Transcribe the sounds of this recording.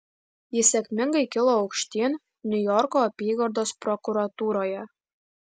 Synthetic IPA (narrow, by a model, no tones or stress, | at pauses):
jesʲækmʲɘ̆ŋɡʲɘjkʲɘlˠoɑwkʃt̪ʲen | nʲujorkoːpʲiɣord̪osprokuɾɑt̪uɾojɤ